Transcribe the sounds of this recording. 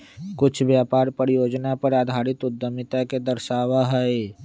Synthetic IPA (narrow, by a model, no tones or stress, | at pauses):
kʊt͡ʃʰʋjaːpaːɾpəɾɪjoːd͡ʒnapəɾaːd̪ʱaːɾɪt̪ʊd̪ːəmɪt̪aked̪əɾʃaːwaɦɛe